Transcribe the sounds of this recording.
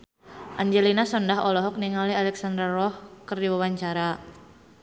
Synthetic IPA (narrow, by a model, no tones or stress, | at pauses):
ʔaɲd͡ʒelinasɔndaɦɔlɔɦɔk̚niŋalialɛksandɾarɔhkərdiwawaɲt͡ʃaɾa